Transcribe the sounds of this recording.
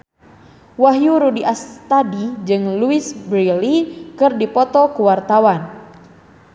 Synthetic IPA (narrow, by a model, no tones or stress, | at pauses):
waɦjuɾudiʔast̪adid͡ʒɨŋluisbɾilikɨrdipɔt̪ɔkuwart̪awan